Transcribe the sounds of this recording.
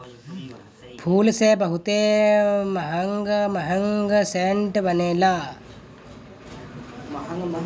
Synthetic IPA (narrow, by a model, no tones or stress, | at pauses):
pʰuːlseːbɐɦut̪eːmɐɦɐŋɡəmɐɦɐŋɡəseɳʈʋɐnela